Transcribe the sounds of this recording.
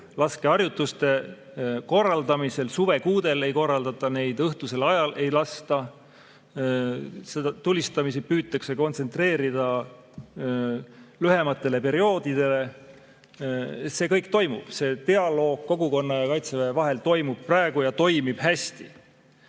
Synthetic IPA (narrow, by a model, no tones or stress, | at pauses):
lɑske̞ɑrjut̪ːˑust̪e̞ | ko̞rːɑld̪ɑmise̞lsuve̞kuːd̪e̞le̞jko̞rːɑld̪̥ɑt̪ːˑɑne̞jd̪ɤht̪use̞lɑjɑle̞jlɑst̪ɑ | sed̪ɑt̪ulʲːist̪ɑmis̬epyːt̪ːˑɑkse̞ko̞nt̪se̞nt̪re̞ːɾid̪̥ɑ | lyhe̞mɑt̪ːˑe̞le̞pe̞ɾio̞ːd̪̥id̪̥e̞le̞ | se̞ːkɤjk̚t̪o̞jmṵb̥se̞t̪e̞ɑlo̞ːɡ̥̚ko̞ɡuko̞nːɑjɑkɑjt̪sevevɑɦe̞lt̪o̞jmub̥̚prɑeɡ̥ujɑt̪o̞jmib̥hæst̪i